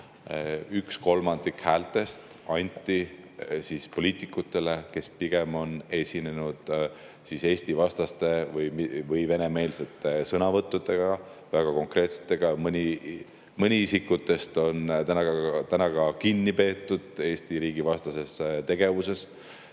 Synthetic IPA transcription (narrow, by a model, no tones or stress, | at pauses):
yksko̞lmɑnd̪̥ikhæːlt̪ˑe̞st̪ɑnʲt̪ʲːˑisispo̞lʲiːt̪ˑikːˑut̪ːˑe̞le̞ke̞spiɡ̥e̞mo̞ne̞sʲine̞nud̪̥ | sise̞ːsʲt̪ivɑst̪ɑst̪e̞vɤjmivɤjve̞ne̞me̞ːlset̪ːˑesɤnɑvɤt̪ːˑud̪ˑe̞ɡ̥ɑvæɡ̥ɑko̞ŋkre̞ːt̪se̥t̪ːˑe̞ɡ̥ɑmɤnʲi | mɤnʲiisikːˑut̪ːˑe̞st̪o̞nt̪ænɑt̪ænɑɡ̥ɑkinʲːipe̞ːt̪ˑːud̪̥e̞ːst̪iɾiːɡ̥ivɑst̪ɑse̞st̪e̞ɡ̥e̞vuse̞s